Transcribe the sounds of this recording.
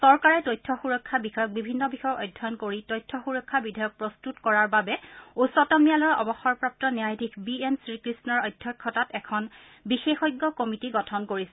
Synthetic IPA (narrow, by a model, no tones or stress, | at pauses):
sɔɹkaɹɛtɔjtʰːɔxuɹɔkʰːabixɔjɔk̚bibʱinːɔbixɔjɔkɔjdʱɔnkoɹitɔjtʰːɔxuɹɔkʰːabidʱajɔk̚pɹɔstutkɔɹaɹbabɛusɔtɔmijalɔɹʔɔbɔxɔɹpɹap̚tɔnijajdʱikʰbiensɹikɹisnɔɹɔjdʱːɔkʰːɔtatɛkʰɔn | bixexɔjɡːɔkomitiɡɔtʰɔnkoɹisɛ